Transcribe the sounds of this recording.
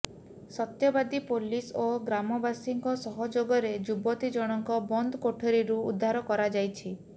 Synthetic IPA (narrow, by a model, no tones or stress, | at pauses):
sɔt̪jɔbad̪ipolisoɡɾamɔbasiŋkɔsɔɦɔd͡ʒoɡɔɾed͡ʒubɔt̪id͡ʒɔɽ̃ɔŋkɔbɔnd̪ʱɔkoʈʰɔɾiɾuud̪ʱːaɾɔkɔɾad͡ʒajt͡ʃʰi